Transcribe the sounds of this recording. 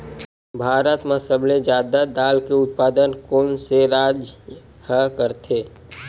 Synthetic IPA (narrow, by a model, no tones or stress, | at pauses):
bʱaːɾət̪masəbled͡ʒaːd̪ad̪aːlkeʊt̪̚paːd̪ənkoːnseɾaːd͡ʒ | həkəɾt̪ʰeː